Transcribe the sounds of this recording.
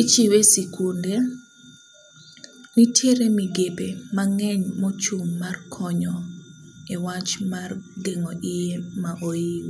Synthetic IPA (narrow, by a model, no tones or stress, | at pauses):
it͡ʃiwesikunde | nitʰeɾemiɡepemaŋɛɲmɔt͡ʃumːarkʰɔɲɔ | ɛwat͡ʃmarɡeŋɔʔijemaʔoiw